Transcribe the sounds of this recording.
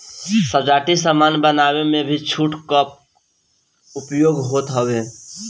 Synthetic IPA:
səd͡ʒaːʈisəmanbənaːwemẽbʱit͡ʃʰuːʈkəp̚ | ʊpjoːɡɦoːt̪ɦəwe

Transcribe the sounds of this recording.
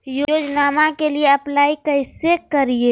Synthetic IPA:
jooːd͡ʒnaːmãkelieɐplaːikɐɪsekɐɾie

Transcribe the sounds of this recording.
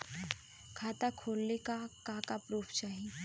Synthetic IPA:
kʰaːt̪akʰoːlnekakakapɾuːfʰt͡ʃaːɦie

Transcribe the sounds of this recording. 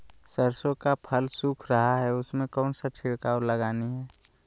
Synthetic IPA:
səɾsõkapʰəlsuːkʰɾəɦaɦɛʊsmẽkɔːnsat͡ʃʰɪɽkaːwləɡaːniɦɛː

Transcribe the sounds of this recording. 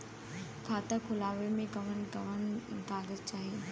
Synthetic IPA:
kʰaːt̪əkʰʊlaːʋemẽkɐʋ̤ənkɐʋənkaːɡəzt͡ɕaːɦeː

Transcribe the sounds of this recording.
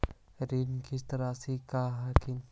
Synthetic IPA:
ɾinkɪst̪əɾasikaːɦakɪ

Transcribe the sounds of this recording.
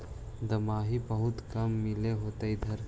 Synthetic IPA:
d̪ɐmaːɦibɐɦʊt̪kɐmːɪleɦoːt̪ɐid̪ʱɐɾ

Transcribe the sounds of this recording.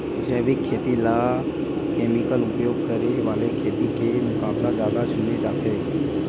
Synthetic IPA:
d͡ʒɛːʋɪkʰːeːt̪ila | kɛːmɪkəlʊpjoːɡkəɾeʋaːlekʰeːt̪ikemʊkaːblad͡ʒjaːd̪asʊned͡ʒaːt̪ʰeː

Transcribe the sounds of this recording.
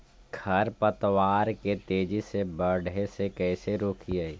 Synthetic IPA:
ɡʰʱɐɾpət̪waːɾket̪eːd͡ʒisebəɽesekɛːseɾoːkʰiaiː

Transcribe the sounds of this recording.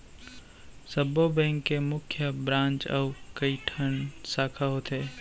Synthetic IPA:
sɐbobɛ̃ŋkːemʊkʰjəbɾãːnt͡ʃəukɐiʈʰənsaːkʰaɦoːt̪ʰeː

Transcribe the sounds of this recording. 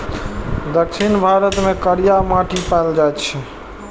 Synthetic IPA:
d̪əkʃʰinbʱaɾət̪mekəɾijamaʈʰipaeld͡ʒajt̪t͡ʃʰɛ

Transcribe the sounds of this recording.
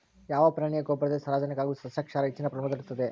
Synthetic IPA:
jaːʋɐpɾɐɳijɐkoːpɾɐd̪esɐɾaːd͡ʒɐnikaːɡusɐsjɐkʂaːɾɐit͡ʃːinɐpɾɐmɐd̪ɐɾt̪ːɐd̪e

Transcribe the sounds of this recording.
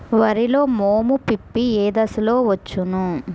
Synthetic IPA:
ʋɐɾilo̞ːmoːmupipːieːd̪ɐsilo̞ːʋɐt͡ʃːunu

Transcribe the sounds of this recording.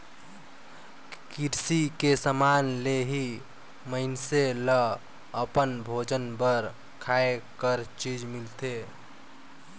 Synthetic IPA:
kiɾsikesəmaːnleɦi | məɪnselə | əpənbʱoːd͡ʒənbəɾ | kʰaːekəɾt͡ʃiːd͡ʒmɪlt̪e

